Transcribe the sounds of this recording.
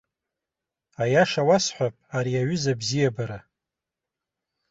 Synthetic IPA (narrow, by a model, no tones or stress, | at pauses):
ajaʂawasħʷapʼaɾiaɥʏzabzijabaɾa